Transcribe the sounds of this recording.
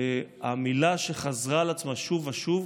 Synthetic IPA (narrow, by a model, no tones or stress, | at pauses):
amilaʃeχazʁalat͡smaʃuvaʃuv